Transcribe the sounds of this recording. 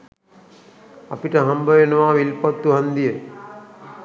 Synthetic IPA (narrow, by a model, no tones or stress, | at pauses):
ɐ̰piʈɐɦɐmbɐjənɐʋaːʋilpɐt̪ːuɦɐnd̪ijə